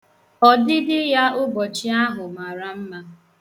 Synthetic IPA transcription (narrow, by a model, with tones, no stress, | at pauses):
ɔ˨dɪ˦dɪ˦ja˦ʊ˦ɡ͡bɔ˨t͡ʃi˦a˦ɦʊ˨ma˨ɾa˦m̩˦ma˦